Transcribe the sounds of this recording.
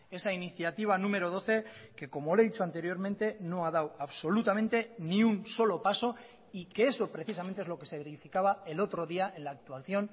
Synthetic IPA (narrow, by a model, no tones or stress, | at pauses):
e̞sainiθjat̪iβ̞anũme̞ɾo̞ð̞o̞θe̞ke̞ko̞mole̞ðit͡ʃo̞ant̪e̞ɾjo̞ɾment̪e̞no̞að̞awaβso̞lut̪amẽnt̪e̞nĩunso̞lo̞paso | ike̞eso̞pɾeθisamẽnt̪ee̞zloke̞se̞βeɾifikaβ̞ae̞lo̞t̪ɾo̞ðiaʔe̞nlaːk̚t̪waθjo̞n